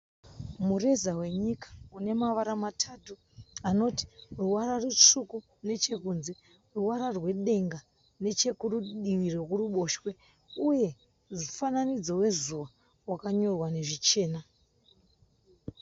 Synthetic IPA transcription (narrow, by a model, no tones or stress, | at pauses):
mure̞zawe̞ɲikḁune̞maʋaɾamatʰatu | ano̞ti̥ruwaɾarut͡ʂuku | ne̞t͡ʃe̞kunze̞ | ruwaɾarwe̞ɗe̞ŋɡa | ne̞t͡ʃe̞kuruɗiʋiro̞kuruɓo̞ʃwe̞ | uje̞ | ufananid͡zo̞we̞zuʋa | wakaɲo̞rwane̞ʐit͡ʃe̞ːna